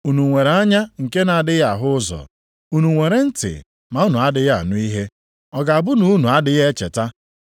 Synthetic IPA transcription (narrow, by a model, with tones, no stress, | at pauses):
u˨nu˨ŋʷe˨ɾe˨˦a˦ɲa˦ŋ̩˨ke˦na˨a˨dɪ˦ja˨ɦʊ˦zɔ̰˨ | u˨nu˨ŋʷe˨ɾe˦n̩˦tɪ̰˨ | ma˨u˦nu˨a˦dɪ˦ɣa̰˦˨nʊ˦i˦ɦe˦ | ɔ˨ɡa˨a˨bʊ˦nu˦nu˨a˦dɪ˦ɣe˦t͡ʃḛ˨ta˦